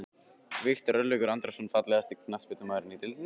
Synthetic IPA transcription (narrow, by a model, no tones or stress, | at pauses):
vɪht̪aɾœlœkʏɾant̪ɾasɔnfat̪lɛɣast̪ɪkʰnaspɪt̪ʏmaːðɾɪnːit̪ɪlt̪nɪ